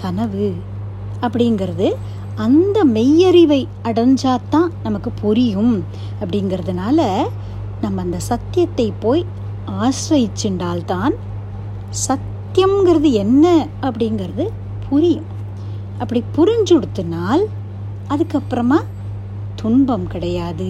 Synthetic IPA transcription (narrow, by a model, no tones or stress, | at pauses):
k̪ɐnɐʋɯ | ɐpːɐɽɪjnɡɐɾɐðɯ | ɐnd̪ɐmɛjːɐɾɪʋɐɪ | ɐɽɐɲd͡ʒaːt̪ːãːnɐmɐkːɯpʊɾɪjɯm | ɐpːɐɽɪnɡɪɾɐðɯnaːlɐ | nɐmːɐːnd̪ɐsɐt̪ːɪjɐt̪ːɐɪpːoːj | aːsʋɐjɪt͡ʃːɪɳɖaːlt̪aːn | sɐt̪ːjɐmɡɐɾɐðɯɛnːɐ | ɐpːɐɽɪnɡɐɾɐðɯ | pʰʊɾɪjɯ̃m | ʔɐpːɐɽipʊɾɪɲd͡ʒɔɽɯt̪ːɯnaːl | ɐðɯkːɐpːɯɾɐmaː | t̪ʊɳbɐmkɪɽɐjaːðɯ